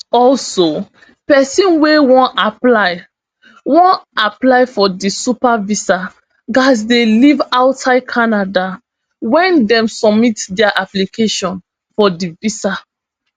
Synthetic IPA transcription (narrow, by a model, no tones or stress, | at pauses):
ɔlso | pɛsĩnwewɔ̃naplaɪ | wɔ̃naplaɪfɔdisupavisa | ɡas̬delivaʊsaɪkʰanada | wɛ̃ndɛ̃msɔbmitdɛaʔaplikʰeʃɔ̃n | fɔdivisa